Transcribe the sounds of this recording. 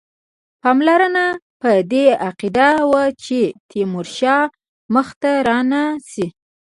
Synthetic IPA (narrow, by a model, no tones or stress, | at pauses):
pɑmlaɾəna | pəd̪eaqid̪awat͡ʃet̪ʰimʊɾʃɑ | məxt̪aɾɑnasi